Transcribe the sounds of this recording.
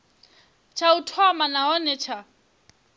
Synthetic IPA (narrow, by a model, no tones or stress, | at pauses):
t͡ʃʰautʰɔmanaɔnɛt͡ʃʰa